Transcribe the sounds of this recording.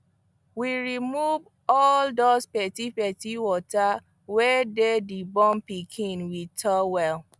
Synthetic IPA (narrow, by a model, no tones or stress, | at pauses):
wiɹimuv | ɔldospɛtipɛtiwɔta | wededibɔ̃mpikʰĩnwitʰɔwɛl